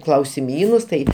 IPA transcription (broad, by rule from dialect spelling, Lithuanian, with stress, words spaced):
klˠɐʊsʲɪˈmʲiːnʊs ˈtɐɪ